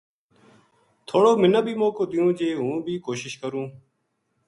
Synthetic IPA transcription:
t̪ʰoːɽoːmɪnaːbʱiːmõːkoːd̪ɪjũːd͡ʒeːɦũːbʱiːkoːʃɪʃkəɾũː

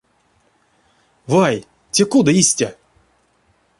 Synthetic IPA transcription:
vaj | tʲekud̪əisʲtʲa

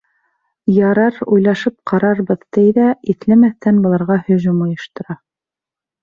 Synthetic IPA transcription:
jɑɾɑɾujlˠɑʃɤp̚qʰɑɾɑɾbɤðt̪ɘjðæiθlæmæθt̪ænbŏlˠɑɾʁɑhɵ̆ʑumŏjɤ̆ʃt̪ɤ̆ɾɑ

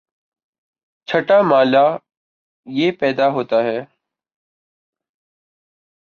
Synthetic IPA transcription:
t͡ʃʰəʈaːmaːlaː | jeːpɛːd̪aːɦoːt̪aːɦɛː

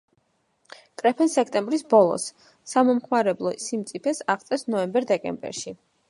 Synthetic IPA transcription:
kʼɾɛpʰɛnsɛkʰt̪ʼɛmbɾisbɔlˠɔ̰sː | amɔmχmaɾɛblˠɔsimt̪sʼipʰɛsaʁt̪sʼɛsnɔɛmbɛɾd̪ɛkʼɛ̰mbɛ̰ɾʃi

